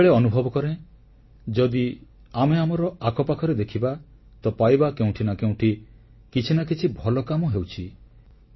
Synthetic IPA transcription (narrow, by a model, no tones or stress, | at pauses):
ɭeɔnubʱɔbɔkɔɾe | d͡ʒɔd̪i | ameamɔɾɔakʰɔpakʰɔɾed̪ekʰiba | t̪ɔpajbakeũʈʰinakeũʈʰi | kit͡ʃʰinakit͡ʃʰibʱɔlɔkamɔɦewt͡ʃʰi